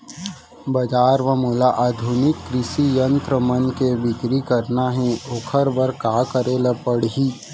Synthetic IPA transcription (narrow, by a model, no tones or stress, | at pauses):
bɐd͡ʒaːɾʋɐmoːlaʔaːd̪ʱʊnɪkːɾɪʃijənt̪ɾəmɐnkebɪkɾikɐɾnaɦẽokʰəɾbɐɾkaːkəɾeləpəɽɦiː